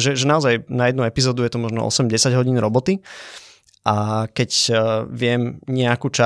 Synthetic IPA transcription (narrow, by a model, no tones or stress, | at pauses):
ʒɛʒɛnaɔzajnajɛd̪nuɛpizɔːd̪ujɛt̪ɔmɔʒnɔ̰ʔɔ̰sɛmɟɛsaɟɦɔɟiːnɾɔbɔt̪i | ʔakɛcʋɪɛmɲɛakuːt͡ʃa